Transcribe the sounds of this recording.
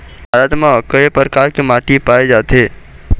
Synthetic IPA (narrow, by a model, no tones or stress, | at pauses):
bʱaːɾat̪makəepɾəkaːɾkemaːʈipaːed͡ʒaːt̪ɦeː